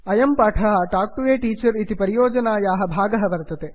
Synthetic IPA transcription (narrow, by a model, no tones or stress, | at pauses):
ɐjɐmpaːʈʰɐɦɐʈaːk̚ʈuʋeːʈiːt͡ʃɐɾit̪ipɐɾijoːd͡ʒɐnaːjaːɦɐ̆bʱaːɡɐɦɐʋɐɾt̪ɐt̪e